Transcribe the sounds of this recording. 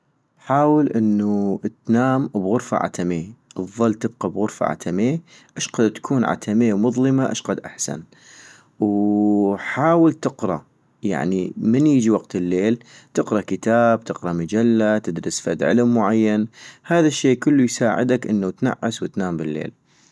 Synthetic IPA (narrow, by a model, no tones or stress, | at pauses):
ħaːwɪlʔɪnːut̪naːmbɣʊɾfa̰ʕa̰t̪ʰameːʔɑfðˤːɑlːt̪ɪb̚qɑbɣʊɾfa̰ʕa̰t̪ʰameː | ʔaʃqɑd̪t̪ḁkʰuːnʕa̰t̪ʰameːmʊðˤlɨmaʔa̰ʃqɑd̪ʔa̰ħsa̰n | w | ħaːwɪlt̪ɪqɾˤɑ̰ | ja̰ʕnimɪnjəd͡ʒiwaqt̪ɪlːeːlt̪ɪqɾˤɑkɪt̪aːb̚t̪ɪqɾˤɑmad͡ʒalːat̪ɪd̪ɾɨsfad̪ʕɪ̰lmːʊʕajːanhaːðaʃːeːkʊlːujsaːʕɪ̰d̪akʔɪnːat̪na̰ʕːaswɪt̪naːmbɪlːḛːl